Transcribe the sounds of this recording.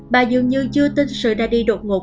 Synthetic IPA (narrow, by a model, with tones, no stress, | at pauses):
ɓaː˨˩zɨ˨˩ŋɲɨ˧t͡ɕɨ˧ət̪i˧ŋ̟sɨ̰˧˨ɗaː˧ɗi˧ɗo̰˧˨˩ŋo˨˩